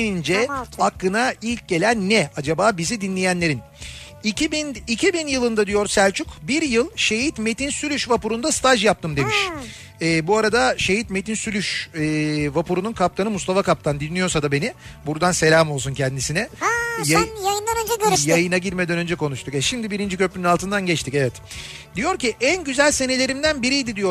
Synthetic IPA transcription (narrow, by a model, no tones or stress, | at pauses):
nind͡ʒɛaklɯnailʲc̚ɟe̞lʲænːɛad͡ʒabaːbizid̪inlʲejænlʲe̞ɾin | iibinicʰibinjɯlˠɯnd̪ad̪ijo̞ɾsælʲt͡ʃʰukbiɾjɯlˠʃe̞jit̪me̞t̪insylʲyʃvapuɾund̪ast̪ʰaʒjap̚t̪ʰɯmd̪e̞miʃ | ɛːbuaɾad̪aʃe̞jit̪me̞t̪ʰinsylʲyʃɛːvapuɾununkʰap̚t̪ʰanɯmust̪afakap̚t̪ʰand̪inːijo̞ɾsad̪abe̞nibuɾd̪anse̞lʲaːmo̞lˠsuncʰɛnd̪isinɛjajajɯnˠanaɟid̪ijajɯnaɟiɾmed̪ænø̞nd͡ʒɛkʰo̞nuʃt̪ʰukɛʃimd̪ibiɾind͡ʒicø̞plynynalˠt̪ʰɯnd̪anɟɛt͡ʃt̪ʰicevɛt̪ | d̪ijo̞ɾciʔænɟyzælʲse̞ne̞lʲe̞ɾimd̪ænbiɾijd̪id̪ijo̞